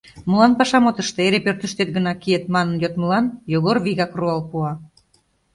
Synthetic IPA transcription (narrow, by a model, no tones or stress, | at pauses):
mulɑnpɑʃɑmot̪əʃt̪eeɾepørt̪yʃt̪et̪̚ɡənɑkiet̪mɑnənjot̪məlɑnjoɣorβiɣɑkruɑlpuɑ